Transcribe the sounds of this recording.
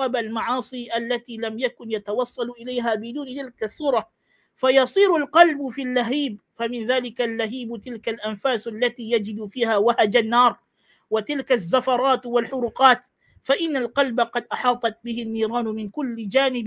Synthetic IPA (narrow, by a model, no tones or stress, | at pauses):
ɑbalmɑʕɑːsˤiːʔalːat̪iːlamjakʊnjat̪awɑsˤːɑlʔɪlajɦaːbɪd̪uːnɪt̪ɪlkasːuːɾˤɑ | fajɑsˤiːɾʊlqɑlbfilːaɦiːb̚famɪnðaːlɪkalːaɦiːbt̪ɪlkalʔanfaːsalːat̪iːjad͡ʒɪd̪fiːhaːwahad͡ʒanːɑːɾˤ | wat̪ɪlkazːafɑɾˤɑːt̪walħʊɾuːqɑːt̪ | faʔɪnːalqɑlbaqɑd̪ʔɑħɑːt̪ˤɑt̪̚bɪhɪnːiːɾɑːnʊmɪnkʊlːɪd͡ʒaːnɪb